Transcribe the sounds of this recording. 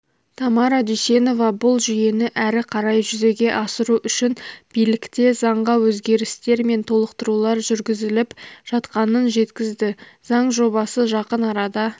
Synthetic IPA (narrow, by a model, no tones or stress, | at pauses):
t̪ʰɑmɑɾɑd̪ʏjse̞no̞vɑbʊlˠʒʏje̞nɪʔæɾɪqʰɑɾɑjʒʏze̞ɡʲe̞ʔɑsəɾuʔʏʃɪnb̥ijlɪkt̪e̞zɑɴʁɑwɵzɡʲe̞ɾɪst̪e̞ɾme̞nt̪ʰo̞lˠəqt̪əɾulˠɑɾʒʏɾɡʲɪzɪlɪpʒ̥ɑt̪qɑnənʒe̞t̪kʲɪzd̪ɪz̥ɑɴʒo̞bɑsəʒɑqənɑɾɑd̪ɑ